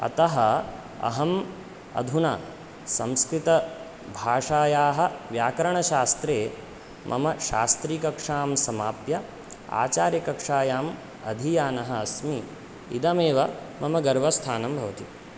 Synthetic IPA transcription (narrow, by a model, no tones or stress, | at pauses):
ɐ̰t̪ɐɦɐ | ɐ̰ɦɐm | ɐ̰d̪ʱuna | sɐmskɾit̪ɐ | bʱaːʂaːjaːɦɐʋjaːkɐɾɐɳ̃ɐʃaːst̪ɾeː | mʔɐ̰mɐʃa̰ːst̪ɾiːkɐkʂaːmsɐmaːpjɐ | a̰ːt͡ʃaːɾjɐkɐkʂaːjaːm | ɐ̰d̪ʱijaːnɐɦɐɐsmi | ḭd̪ɐmeːʋɐ | mɐmɐɡɐɾʋɐst̪ʰaːnɐmbʱɐʋɐt̪i